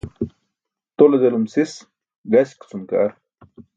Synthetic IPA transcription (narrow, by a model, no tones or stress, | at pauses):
t̪oled̪elumsis | ɡɐɕkt͡sumka̰ɾ